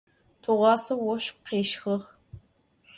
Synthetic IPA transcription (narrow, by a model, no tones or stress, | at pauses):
tʰuʁʷɑːsɐwɔɕqeːʃxɨʁ